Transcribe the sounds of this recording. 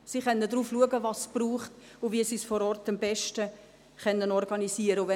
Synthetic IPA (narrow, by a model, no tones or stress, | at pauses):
siχɛnːədɾuːfluəɡəvɑsb̥ruːχt | ʊviəsisfɔɾɔːɾtɑmbɛʃtə | χɛnːənɔɾɡ̥ɑnisiəɾəʊvɛ